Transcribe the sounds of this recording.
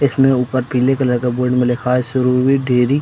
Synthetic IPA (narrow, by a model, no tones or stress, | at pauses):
ɪsmẽuːpəɾpiːlekɐləɾkeboːɖmẽlɪkʰaːsʊɾuːɾwiɖʱeːɾiː